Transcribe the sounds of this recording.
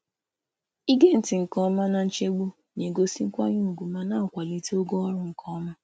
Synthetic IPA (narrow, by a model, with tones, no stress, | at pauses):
i˦ɡe˦˨n̩˨˦ti˨ŋ̩˨kɔ̃˦mã˦nã˦n̩˦t͡ʃe˦ɡ͡bo˦ | ɲẽ˨ɡo˧si˦ŋ̩˦kʷa˦ɲũ˦o˨ɡu˨mã˨˦nãː˦˨kʷa˨li˨˦ti˦o˦ɡo˦ɔ˦ɾʊ̃˦ŋ̩˨kʰɔ̃˦mã˦